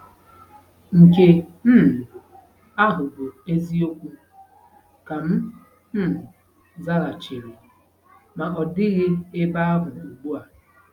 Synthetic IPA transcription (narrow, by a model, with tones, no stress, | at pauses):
ŋ̩˨ke˦m̩˦˨ | a˦ɦʊ˨bʊ˨e˦zi˦o˦kʷu˦ | ka˨m̩˦ | m̩˦˨ | za˦ɾa˨t͡ʃɪ˨ɣɪ˨ | ma˨ɔ˨dɪ˦ɣɪ˦e˦ba˦a˦bʊ˨u˨ɡ͡bu˦a˨